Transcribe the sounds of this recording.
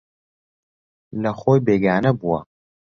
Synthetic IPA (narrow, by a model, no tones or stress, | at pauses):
lɐxoːjbeːɡaːnɐbuwɐ̰